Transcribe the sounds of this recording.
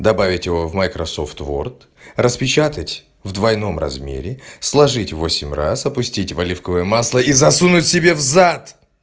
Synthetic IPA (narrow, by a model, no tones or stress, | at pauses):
d̪ɐbavʲɪtʲjɪvo̞vmajkɾɐso̞ft̪vo̰rt̪ | rəspʲɪt͡ɕat̪ətʲ | vd̪vɐjno̞mrɐ̰zmʲḛɾʲɪslˠɐʐɨtʲvo̞sʲɪmʲra̰sɐpʊsʲtʲitʲvɐlʲifkəvɨjəmaslˠəizɐsunʊtʲsʲɪbʲevzat̪